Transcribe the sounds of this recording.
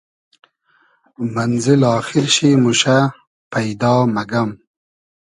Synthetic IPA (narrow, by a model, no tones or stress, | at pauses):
manzɪlɑːxɪɾʃimuʃa | pajd̪ɑːmaɡam